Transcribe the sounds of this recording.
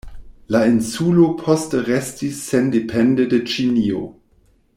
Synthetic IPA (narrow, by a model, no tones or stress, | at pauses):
lainsulopʰɔstəʁɛstisːendepʰɛndedet͡ʃinio̰